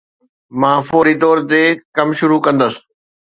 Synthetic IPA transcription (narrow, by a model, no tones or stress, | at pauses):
mãːfoːɾit̪ɔːɾt̪ekɐmʃʊɾukɐ̃nd̪əs